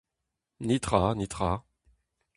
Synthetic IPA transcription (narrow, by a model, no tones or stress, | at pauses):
nit̪χanit̪χa